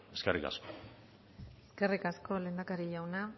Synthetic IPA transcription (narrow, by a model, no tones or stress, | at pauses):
eskerika̰sko | eeskerikasko̞lend̪akaɾiʝawna